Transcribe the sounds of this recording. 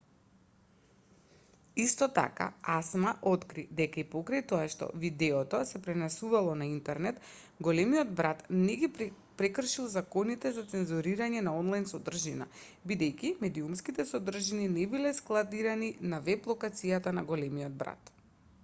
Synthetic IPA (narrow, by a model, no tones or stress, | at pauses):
ist̪ɔt̪a̰ka̰asmaʔot̪kɾid̪ɛkaipɔkɾajt̪ɔaʃt̪ɔ̰vid̪ɛɔt̪ɔsɛpɾɛnɛsuvalˠɔnaint̪ɛɾnɛt̪ | ɡɔlɛmijɔd̪bɾat̪nɛɡi | pɾɛkr̩ʃilˠzakɔnit̪ɛzat̪sɛnzuɾiɾaɲɛnaɔnlˠajnsɔd̪r̩ʒina̰ | bid̪ɛjkimɛd̪iumskit̪ɛsɔd̪r̩ʒininɛbilɛsklˠad̪iɾaninavɛplˠɔkat̪sijat̪anaɡɔlɛmiɔd̪̚bɾa̰t̪